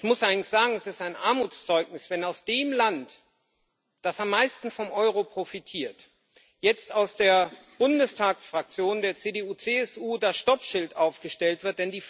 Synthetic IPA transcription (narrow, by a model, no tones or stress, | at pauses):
ɪçmʊsʔaɪɡŋn̩çz̥aːɡŋ̩ɛsɪstaɪnʔaɐmuːt͡st͡sɔʏɡnɪsv̥ɛnaʊsd̥eːmlant | d̥asamːaɪstn̩fɔmʔɔʏʁ̞opʁ̥ofitʰiːɐt | jɛt͡staʊsd̥eːɐ | b̥ʊndəstʰaːksfʁ̥ak̚t͡sjoːndeːɐt͡seːdeuːt͡seːɛsʔuːdaʃtɔpʃɪltʔaʊfɡ̥əʃtɛltv̥ɪɐt̚d̥ɛndiː